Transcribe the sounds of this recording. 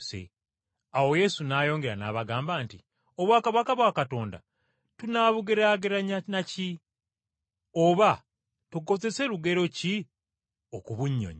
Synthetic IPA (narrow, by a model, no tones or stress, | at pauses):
sḛ | awo̞je̞sunaːjo̞ːŋɡe̞ɾana̰ːβaɡaːmbaːnti | oβwaːkaβakaβwakato̞ːnda̰ | tunaːβuɡeɾaːɡeɾaɲanaci | o̞βa | tuɡo̞ze̞se̞luɡe̞ɾo̞ci | o̞kuβuɲːo̞̰ɲi